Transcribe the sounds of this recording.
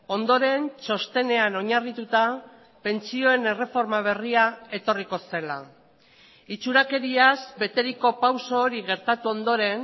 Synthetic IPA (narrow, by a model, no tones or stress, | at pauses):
o̞nd̪o̞ɾe̞nt͡ʃo̞st̪e̞ne̞ano̞ɲarit̪ut̪a | pe̞nt͡sio̞e̞ne̞re̞fo̞ɾmaβ̞e̞riae̞t̪o̞riko̞se̞la | it͡suɾake̞ɾiazbe̞t̪e̞ɾiko̞pawso̞ːɾiɣe̞ɾt̪at̪uo̞nd̪o̞ɾe̞n